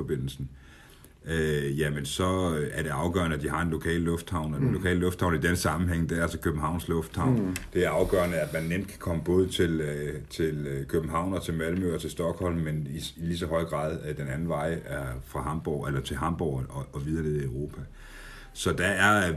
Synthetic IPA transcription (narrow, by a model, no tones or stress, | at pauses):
ɒb̥e̝n̰l̩sn̩ | øjæmənsɒ̽æɐɾ̥e̝ɑ̈ʊɡ̥ɶ̰ɐnəæd̥iɦɑ̈e̝nlo̝kʰɛ̰ːllɔ̽fd̥hɑ̈ʊ̰nɒ̥enlo̝kʰɛ̰ːllɔ̽fd̥hɑ̈ʊnid̥ensɑ̈mm̩ɦeŋ̰d̥æælsɒ̽kʰøb̥m̩hɑ̈ʊ̰nslɔ̽fd̥hɑ̈ʊ̰nd̥e̝æɐɑ̈ʊɡ̥ɶ̰ːɐnəæd̥mænːem̰d̥̚kʰæ̥kʰɒ̽məb̥ɔ̽ːð̞ˠət͡sʰe̝løt͡sʰe̝lkʰøb̥m̩ɦɑ̈ʊ̰nɒ̽t͡sʰe̝lmælmøɒ̽t͡sʰe̝lsd̥ɒ̽ɡ̥hɒ̽l̰mːeniilisɒ̽ɦɒ̽ɪ̰ɡ̥ʁɑ̈ːð̞ˠd̥enænn̩ʋɑ̈ɪ̰fʁɑ̈ɦɑ̈mb̥ɒ̰elɐt͡sʰe̝lɦɑ̈mb̥ɒʊ̰ɒɒ̽ʋið̞ˠɐneðˠiʊʁo̝ːpʰæ | sɒ̽d̥ææɐ